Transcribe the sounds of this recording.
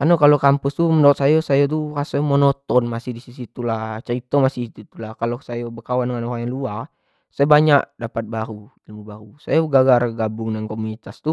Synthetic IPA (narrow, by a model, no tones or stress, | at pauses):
kanɔkalokampust̪uməndɔt̪̚sajasajat̪̬ukasamɔnɔt̪ɔnmasihdisisit̪ulat͡ʃaɾit̪omasit̪ut̪ulahkalosajabəkawandəŋanɔɾaŋjaŋluar | sajabaɲaʔdapat̪̚baɾuilmubaɾusajaɡaɡarɡabuŋdaŋkɔmunit̪ast̪u